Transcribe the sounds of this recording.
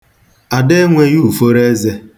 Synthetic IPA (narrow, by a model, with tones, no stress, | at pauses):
a˨de˦ŋʷe˦ju˦˨fo˦ɾe˦ze˦